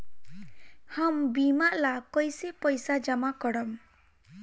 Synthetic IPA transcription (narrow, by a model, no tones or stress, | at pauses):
hambimaʔlakɔjsipɔjsad͡ʒamakɔɽɔm